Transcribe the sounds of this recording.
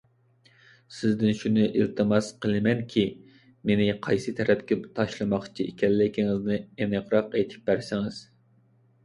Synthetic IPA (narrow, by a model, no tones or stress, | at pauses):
sɪzd̪ɪnʃunɨʔilt̪ʰɨmɑsqəlˠɨmɛnkʲʰi | menɪqʰɑjsɨt̪ʰɛɾɛpkʲɛt̪ʰɑʃlˠɨmɑχt͡ʃʰiikʲʰɛnlɪkʲiŋɪznɪenɨqɾɑqet̪ʰɪ̥p̚bæɾsɪŋɪz̥